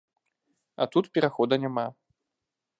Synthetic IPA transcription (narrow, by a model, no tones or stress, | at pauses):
a̰t̪ut̪pʲɛɾaxɔd̪ɐnʲama